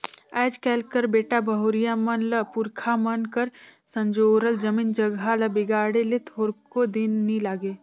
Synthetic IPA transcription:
ɛːd͡ʒkɛːlkəɾbeːʈabʱəɦoːɾijamənləpʊɾkʰamənkəɾsə̃ɲd͡ʒoːɾəld͡ʒəmiːnd͡ʒəɡʱaləbɪɡaːɽelet̪ʰoːɾkod̪innilaːɡeː

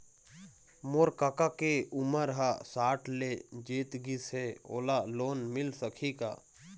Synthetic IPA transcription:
moɾkakakeʊməɾɦasaːʈʰled͡ʒeːt̪ɡisɦeo̰ːlaloːnmɪlsəkʰika̰ː

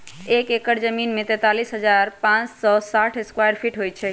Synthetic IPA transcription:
ekekəɾd͡ʒəminmet̪ɛ̃t̪alisɦəd͡ʒaɾpãt͡ʃsɔsaʈʰeskwajəɾpʰiʈɦojt͡ʃʰɛ

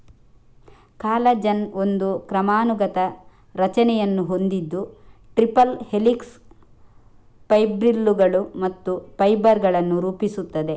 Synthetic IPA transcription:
kaːlɐd͡ʒɐno̞nd̪ukɾɐmaːnuɡɐt̪ɐ | ɾɐt͡ʃɐnɛjɐnːuɦo̞nd̪id̪ːuʈɾipɐlhe̞liks | pɐjbɾilːuɡɐɭumɐt̪ːupɐjbɐɾɡɐɭɐnːuɾuːpisut̪ːɐd̪e̞

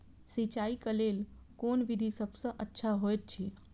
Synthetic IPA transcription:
sit͡ʃaikəleːl | koːnʋid̪ʱisəbʱsə̃ʔətːʃʰaɦoet̪̚t͡ʃʰi

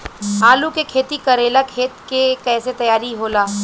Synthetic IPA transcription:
aːlukekʰeːt̪ikɐɾeːlakʰeːt̪kekɛːset̪ɐjaːɾiɦoːlaː

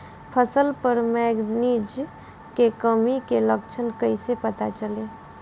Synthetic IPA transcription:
pʰəsəlpəɾmɛːɡnid͡ʒ | kekəmikeləkt͡ʃʰənkəisepət̪at͡ʃəle

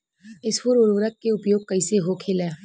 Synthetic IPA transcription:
ɪspuɾʊɾʋɾək̚keʊpjoːɡ̚kɐiseɦokʰeleː

